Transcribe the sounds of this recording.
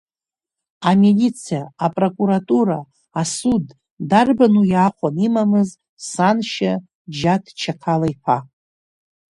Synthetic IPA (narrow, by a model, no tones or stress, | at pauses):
amelit͡sʰijaːpʼro̞kʼuɾatʼuɾa | asudː | arbanujaχʷanimamɨz | sanʃa | d͡ʒatʰt͡ʃʰakʰalajħʰa